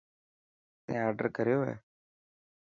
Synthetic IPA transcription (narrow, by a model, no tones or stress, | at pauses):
t̪ḛ̃ːaːɾɖə̰ɾkəɾjoːɦɛ̰ː